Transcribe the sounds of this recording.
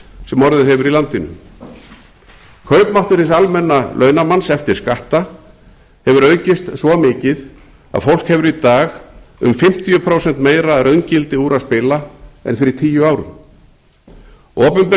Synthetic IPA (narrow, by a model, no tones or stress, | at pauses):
sɛmɔɾðʏɦɛvʏɾilant̪ɪnʏ̰ | kʰœɥpmawht̪ʏɾ̥hɪnsalmɛnːalʔœːɥnamansɛft̪ɪɾ̥skaht̪a | hɛvʏɾœːɥcɪst̪svɔmɪːcɪð | a̰ðfowl̥khɛvʏɾit̪aːɣʏ̰mfɪm̥t̪ʰijʏpʰɾowsɛnt̪meːjɾaɾʔœɥncɪlt̪ɪuːɾaðspɪlaɛ̰nfɪɾɪt̪ʰiːjʏaːwɾʏ̰ | ɔːpʏmpɪ